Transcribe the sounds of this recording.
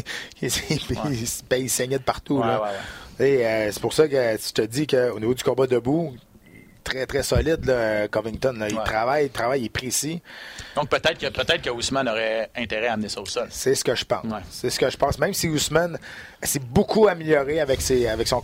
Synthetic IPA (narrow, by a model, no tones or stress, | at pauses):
spisbɛisɛɲɛd̪əpaʁt̪ulɔweəse̥pʊʁsʌkət̪y̥t̪əd͡z̪ikʲəonivod̪zykɔ̃bɔd̪əbu | t̪ʁɛt̪ʁɛsɔlɪd̪lʌkɔvɪ̃ŋt̪ɔnlɔilt̪ʁavajt̪ʁavajepʁesid̪ɔ̃k̚pət̪ɛt̪kəpət̪ɛt̪χkəusmanɔʁɛɛ̃t̪eʁɛaːmnesɔosœlsɛsə̥kʲəʒə̥pã̰sːɛsə̥kəʒəpɑ̃smɛ̃msiusman | sɛbokʰuamiljɔʁeavɛkseavɛksɔ̃